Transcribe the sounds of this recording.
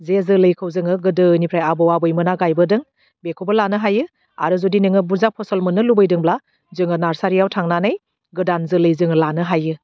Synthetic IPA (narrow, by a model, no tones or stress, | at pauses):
zezɯlɯjkʰɯwzɯŋɯɡɯdɯnipʰɾajabɔwabɯjmɯnaɡajbɯdɯŋ | bekʰobəlanɯɦajɯ | a̰ɾɯzodinɯŋɯbuzak̚pʰɔsɔlmɯnɯlubɯjdɯŋbla | zɯŋɯnaɾsaɾijawtʰaŋnanɯj | ɡɯdanzɯlɯjzɯŋɯlanɯɦajɯ